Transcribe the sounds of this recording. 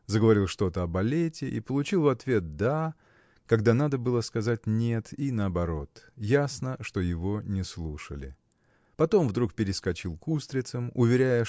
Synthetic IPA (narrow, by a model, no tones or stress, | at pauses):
zəɡəvɐɾʲilˠʂt̪o̞t̪əɐbɐlʲetʲɪʔḭpəlˠʊt͡ɕilˠvɐt̪vʲe̞t̪̚d̪a | kɐɡd̪anad̪əbɨlˠəskɐzatʲnʲe̞t̪inəɐbɐɾo̞t̪jasnəʂt̪o̞jɪvo̞nʲɪslˠuʂə̰lʲɪ̰ | pɐt̪o̞mvd̪ɾukpʲɪɾʲɪskɐt͡ɕilˠkust̪ɾʲɪt̪səmʊvʲɪɾʲæjə